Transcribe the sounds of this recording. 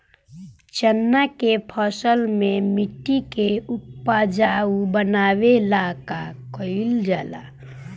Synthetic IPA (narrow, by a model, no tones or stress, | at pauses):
t͡ʃənːakepʰɔsəlmẽmɪʈːikeʊpːad͡ʒaubənaːwelaːkakɔɪld͡ʒaːla̰